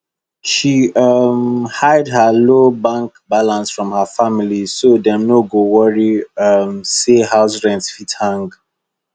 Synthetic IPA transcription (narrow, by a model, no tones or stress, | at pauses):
ʃiʌmhaɪdhəlobãŋkbalãnsfɹɔ̃mhəfamilisodɛ̃mnoɡowɔɹiʌmsehaʊsɹɛ̃nsfithãŋɡ